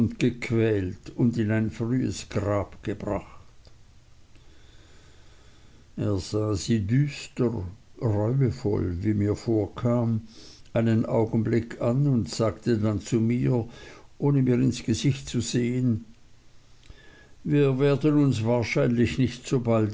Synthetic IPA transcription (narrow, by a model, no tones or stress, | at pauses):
ʊntɡ̥əkʰv̥ɛːltʊndɪnaɪnfʁyːə̰sɡ̥ʁaːpɡ̥əbʁa̰xt | ʔeːɐz̥aːziːdyːstəʁʁɔʏəfɔ̰lviːmiːɐfoːɐkʰaːmʔaɪnənʔaʊɡn̩blɪkʰanʊntz̥aːktʰədant͡sumiːɐʔoːnəmiːɐʁɪnsɡ̥əzɪçtt͡suzeːən | viːɐveːɐdənʊnsv̥aːɐʃaɪnlɪçnɪçtz̥oːbalt